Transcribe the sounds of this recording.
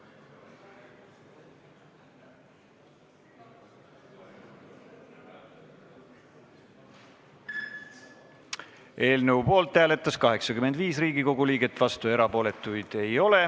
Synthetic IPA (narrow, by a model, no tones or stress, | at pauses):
e̞ːlnəwpo̞ːlt̪ːˑhæːle̞t̪ːˑɑskɑɦe̞ksɑkymend̪viːsriːɡiko̞ɡuliːɡe̞t̪ːˑvɑst̪ue̞ɾɑpo̞ːle̞t̪ˑːujd̪̥e̞jo̞le